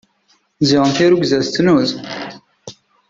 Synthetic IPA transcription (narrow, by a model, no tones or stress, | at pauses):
ziʁənθiɾuɡzæst͡s̪ːnuz